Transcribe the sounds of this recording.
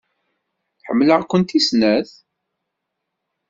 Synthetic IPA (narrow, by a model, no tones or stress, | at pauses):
θħə̰mːləʁkʷːənt̪isnæθ